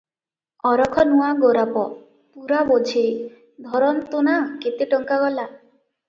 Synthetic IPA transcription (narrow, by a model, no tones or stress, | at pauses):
ɔɾɔkʰɔnuaɡoɾapɔ | puɾabod͡ʒʱe | d̪ʱɔɾɔnt̪onaket̪eʈɔŋkaɡɔla